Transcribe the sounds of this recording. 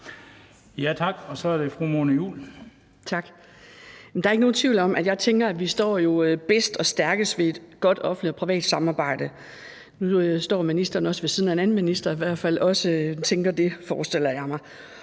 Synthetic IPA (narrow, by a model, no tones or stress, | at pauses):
jæt͡sʰɑ̈ɡ̥ɒ̽sɒæɐd̥e̝fʁumoːnəjṵːl | t͡sʰɑ̈ɡ̥ | jmnd̥ɑ̈ɐeɡəno̝ːn̩t͡sʰʋiʊ̰lɒ̽m̰ʔæd̥jɑ̈ɪt͡sʰeŋɡ̥ɐæʋisd̥ɒ̰ːjo̝b̥esd̥ɒ̽sd̥æɐɡ̥əsʋe̝e̝d̥ɡ̥ɒ̽d̥ɒ̽fn̩dlidɒpʰʁiʋɛ̰ːd̥sɑ̈mɑ̈ːb̥ɑ̈ɪ̰d̥ə | nuøsd̥ɒ̰ːminisd̥ɐːn̩ɒ̽səʋe̝siːðˠn̩æenæn̩minisd̥ɐiʋæɐ̰d̥fæl̰ɒ̽sət͡sʰeŋɡ̥ɐd̥e̝fɒːsd̥el̰ɐjɑ̈ɪmɑ̈ɪ